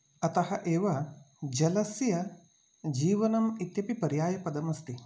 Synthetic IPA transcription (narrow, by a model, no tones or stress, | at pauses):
ɐt̪ɐhɐʔeːʋɐ | d͡ʒɐlɐsjɐ | d͡ʒiːʋɐnɐmit̪jɐpipɐɾjaːjɐpɐd̪ɐmɐst̪i